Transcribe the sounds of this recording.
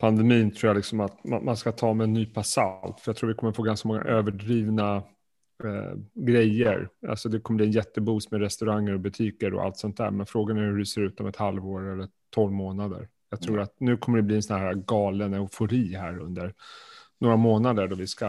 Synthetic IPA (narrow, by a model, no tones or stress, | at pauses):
pʰand̪ɛmiːnt̪ʰɾuːjalɪksɔmat̪ma̰nmanskat̪ʰɑːmɛɛnːyːpʰasa̰lt̪fœjat̪ʰuːvɪkʰɔmːəɾfoːɡanskamɔŋːa̰ʔøːvəɖɾiːvna | ɡɾɛjːə̰ɾa̰lsɔd̪ɛkʰɔməbliɛnjɛt̪ːəbuːsmɛɾɛst̪ɵɾaŋːəɾɔbɵt̪ʰiːkəɾɔ̰ʔa̰lt̪sɵnt̪̚d̪æ̰ːɾmɛnfɾoːɡanæɾhɵɖɪseːɾʉ̟ːt̪ɔmɛt̪halvoːɾɛlːəʈʰɔlvmoːnad̪ə̰ɾ | jɑːɡt̪ʰɾuːɾat̪̚nʉ̟ːkʰɔməɖɛbliːɛnsɔnhæːɾaɡɑːlənɛʊfʊɾiːɦæːɾɵ̰nd̪əɾnoːɾamoːnad̪əɖɔvɪska